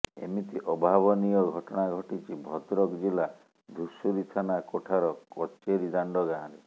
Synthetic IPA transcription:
ḛmit̪iʔɔbʱabɔnijɔɡʱɔʈɔɽ̃aɡʱɔʈit͡ʃibʱɔt̪ɾɔkd͡ʒila | d̪ʱusuɾit̪ʰanakoʈʰaɾɔkɔt͡ʃeɾid̪aɳɖɔɡããɾi

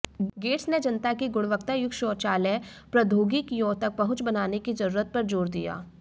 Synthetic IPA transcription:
ɡeːʈsned͡ʒɐnt̪akiɡʊɽ̃ʋəkt̪əjʊkʃɔːt͡ʃaːlɛpɾɐd̪ʱoːɡikijõːt̪ɐk̚pɐɦʊ̃t͡ʃbɐnaːnekid͡ʒɐɾuːɾət̪̚pɐɾd͡ʒoːɾd̪ḭja̰ː

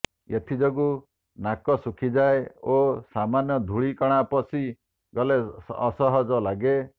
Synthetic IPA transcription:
et̪ʰid͡ʒɔɡu | nakɔsukʰid͡ʒaeosamanjɔd̪ʱuɭikɔɽ̃apɔsi | ɡɔleːsɔɦɔd͡ʒɔlaɡe

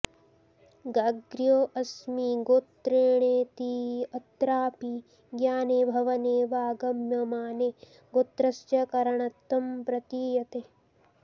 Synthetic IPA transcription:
ɡaɡɾjoːʔɐsmiɡoːt̪ɾeːɳeːt̪iɐt̪ɾaːpi | ɡjaːneːbʱɐʋɐneːʋaːɡɐmjɐmaːne | ɡoːt̪ɾɐst͡ʃjɐkɐɾɐɳɐt̪ːɐmpɾɐt̪iːjɐt̪e

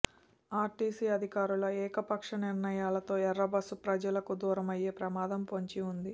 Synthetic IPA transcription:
aːɾʈiːsiːɐd̪ʱikaːɾulɐɛːkɐpɐkʂɐniɾnɐjaːlɐt̪o̞ːɛɾːɐbɐsupɾɐd͡ʒɐlɐkud̪uːɾɐmɐjeːpɾɐmaːd̪ɐmpoɲt͡ʃiund̪i

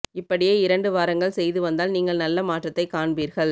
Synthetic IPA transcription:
ɪpːɐɽɪjeːɪɾɐɳɖɯʋaːɾɐŋɡɐɭsɛjðɯʋɐnd̪aːlniːŋɡɐɭnɐlːɐmaːʈrɐt̪ːɐɪkaːɳbiːɾɣɐɭ

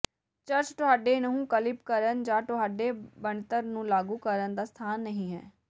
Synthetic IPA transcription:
t͡ʃəɾt͡ʃʈʊɦaːɖeːnəɦũːkəlɪpkəɾənd͡ʒãːʈʊɦaːɖeːbəɳt̪əɾnũːlaːɡũːkəɾənd̪aːst̪ʰaːnːəɦĩːɦɛ̰ː

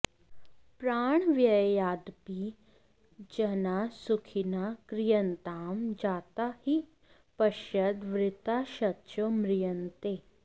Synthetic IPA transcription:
pɾaːɳ̃ʋjɐjaːd̪pi | d͡ʒɐnasukʰinakɾɪjɐnt̪aːmd͡ʒaːt̪ahi | pɐʃjɐd̪ʋɾɪt̪aʃɐtːʃʰomɾɪjɐnt̪eː

